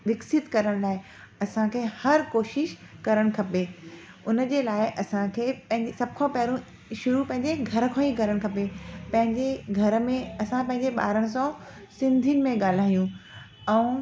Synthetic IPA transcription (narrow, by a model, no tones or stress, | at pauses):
ʋɪksɪt̪kɐɾəɽ̃laːɪ | ɐsãkʰeːhɐɾkoːʃɪʃkɐɾəɽ̃kʰɐpe | ʊnəd͡ʑeːlaːɪʔɐsãkʰeːpɐ̃ɦɪ̃ɲd͡ʑesɐb̚ʱkʰãpɛɦɾũ | ʃʊɾupɐ̃ɦɪ̃ɲd͡ʑeɡʱɐɾə̆kʰãiɡʱɐɾəɽ̃kʰɐpepɐ̃ɦɪ̃ɲd͡ʑeɡʱɐɾə̆mẽɐsãpɐ̃ɦɪ̃ɲd͡ʑeɓa̰ːɾəɽ̃ɪ̆s̬ã | sɪ̃nd̪ʱijnɪ̆mẽɠaːl̤aːijũ | ɛ̃ː